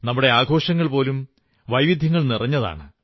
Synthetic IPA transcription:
nɐmːuɽe̞aːɡʱo̞ːʂɐŋːɐɭpo̞ːlum | ʋɐjʋid̪ʱjɐŋːɐɭnirɐɲːɐða̰ːɳɨ

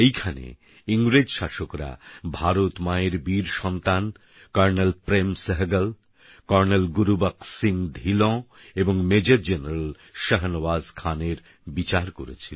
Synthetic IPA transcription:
ejkʰanḛ | iŋɡɾed͡ʑʃaʃokɾa̰bʱaɾot̪maeɾbiɾʃɔnt̪an | kɔɾnelpɾemsəɦɡəl | kɔɾnelɡuɾubaksiŋd̪ʱilɔ̃ | eboŋmed͡ʑəɾd͡ʑeneɾəl | ʃəɦənbazkʰaneɾ | bit͡ɕaɾkoɾḛt͡ɕʰil

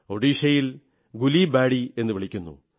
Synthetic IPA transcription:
oɽiːʂɐjil | ɡulibaːɽie̞nːɨʋiɭ̤ikʲːunːṵ

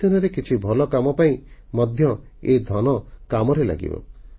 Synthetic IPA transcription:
ɔnɔɾekit͡ʃʰibʱɔlɔkamɔpaĩmɔd̪ʱjɔed̪ʱɔnɔkamɔɾela̰ɡḭbɔ̰

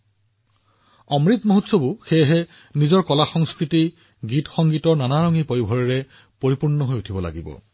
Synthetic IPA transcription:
ɔmɹit̪moɦutsobuxeɦɛ | nizɔɹkɔlaxɔŋskɹiti | ɡitxɔŋɡitɔɹnanaɹɔŋipojibʱɔɹɛɹɛ | poɹipuɹnɔɦojutʰibɔla̰ɡibɔ̰

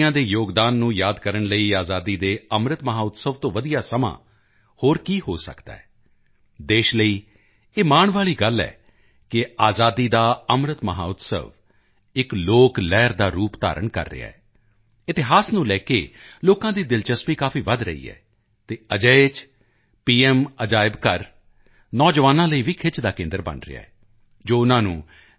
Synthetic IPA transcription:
ãːd̪eːjoːɡd̪aːnːũːjaːd̪kəɾəɳləiːaːzaːd̪iːd̪eːəmɾət̪məɦaːʊt̪səʋt̪õːʋəd̪ijaːsəmã̰ː | hoːɾkiːhoːsə̰kd̪a̰ːɛː | d̪eːʃləiː | eːmaːɳ̃ʋaːɭiːɡəlːɛ̰ː | kɪaːzaːd̪iːd̪aːəmɾət̪məɦa̰ːʊt̪sə̰ʋ | ɪkloːklɛːɾd̪aːɾuːpt̪a̰ːɾəɳkə̰ɾːɪ̰a̰ːɛː | ɪt̪ɪɦaːsnũːlɛːkḛːloːkãːd̪iːd̪ɪlt͡ʃəspiːkaːfʰiːʋəd̪ɾə̰ḭːɛ̰ː | t̪eːəd͡ʒət͡ʃ | piːɛməd͡ʒaːɪbkəɾ | nɔːd͡ʒʋaːnãːləiːʋiːkʰɪt͡ʃd̪aːkẽːnd̪əɾbə̰nɾɪ̰a̰ːɛː | d͡ʒoːʊnãːnũː

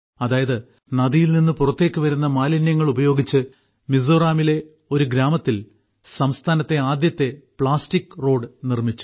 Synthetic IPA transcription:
ɐðaːjɐðɨ | nɐðijilninːupurɐt̪ːe̞ːkʲːɨʋɐɾunːɐmaːlɐnjɐŋːɐɭubɐjo̞ːɡit͡ɕːɨ | mizoːraːmile̞ | o̞ɾuɡɾaːmɐt̪ːil | sɐmst̪ʰaːnɐt̪ːe̞aːd̪jɐt̪ːe̞pɭaːstikːro̞ːɖɨnirmit͡ɕːu̥

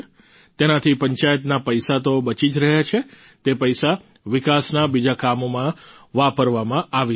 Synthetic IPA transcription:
t̪enat̪ʰipəɲt͡ʃajət̪napəjsat̪obət͡ʃid͡ʒɾəɦjat͡ʃʰe | t̪epəjsa | ʋɪkasnabid͡ʒakamomãʋapəɾʋamãʔaʋi

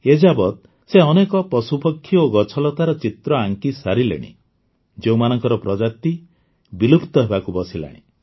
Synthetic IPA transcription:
ed͡ʒabɔt̪ | seɔnekɔpɔsupɔkʰːjoɡɔt͡ʃʰɔlɔt̪aɾɔt͡ʃit̪ɾɔaŋkisaɾilḛɽ̃ḭ | d͡ʒewmanɔŋkɔɾɔpɾɔd͡ʒat̪i | bilupt̪ɔɦebakubɔsila̰ɽ̃ḭ

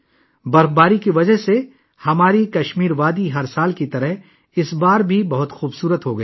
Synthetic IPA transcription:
bɐɾfbaːɾikiʋɐd͡ʒəɦse | hɐmaːɾikɐʃmiːɾʋaːd̪iɦɐɾsaːlkit̪ɐɾəɦ | ɪsbaːɾbʱibɐɦʊt̪xuːbsuːɾət̪ɦoɡɐeː

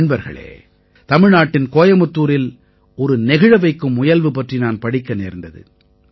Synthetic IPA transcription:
nbɐɾɣɐ̰ɭḛː | t̪ɐmɪɻnaːʈːɪnkoːjɐmɯt̪ːuːɾɪl | ɔɾɯnɛɣɪɻɐʋɐɪkːɯmʊjɐlʋɯpɐʈrinaːnpɐɽɪkːɐneːɾnd̪ɐðɯ̰

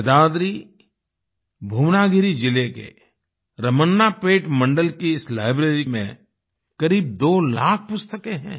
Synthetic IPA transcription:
d̪aːd̪ɾi | bʱuːmnaːɡɪɾid͡ʒɪlekḛ | ɾɐmənːapeːʈmɐ̃ɳɖəlkiɪslaːɪbɾeːɾimḛ̃ | kɐɾiːb̚d̪oːla̰ːk̚ʰpʊst̪əkẽɦɛ̰̃ː

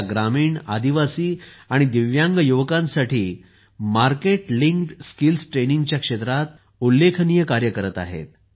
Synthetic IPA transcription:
ɡɾamiːɳa̰d̪iʋasiːaɽ̃id̪iʋjaŋɡəjuʋəkãnsaʈʰiː | maɾkeʈliŋkskilsʈɾenĩŋɡt͡ɕjakʂet̪ɾat̪ | ulːekʰənijəkaɾjəkəɾət̪a̰ɦḛt̪̚

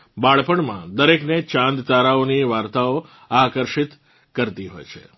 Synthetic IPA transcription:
baɭpəɳmã̰d̪əɾeknet͡ʃãnd̪t̪aɾaoniʋaɾt̪ao | akəɾʃit̪ | kəɾt̪iɦo̰jt͡ʃʰḛ

